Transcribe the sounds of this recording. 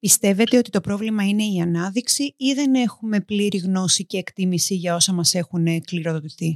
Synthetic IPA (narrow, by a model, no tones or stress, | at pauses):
pist̪e̞ve̞t̪e̞o̞t̪it̪o̞pɾo̞vlimɐine̞iɐnɐðiksiiðe̞ne̞xume̞pliɾiɣno̞sice̞ːkt̪imisiʝɐo̞sɐmɐse̞xunekliɾo̞ðot̪iθi